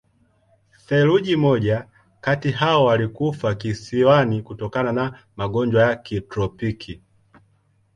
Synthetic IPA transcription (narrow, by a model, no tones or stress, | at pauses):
θɛluʄimɔɟa | katiɦaɔwalikufakisiwanikutɔkanana | maɡɔɲd͡ʒwajakitɾɔpikʰi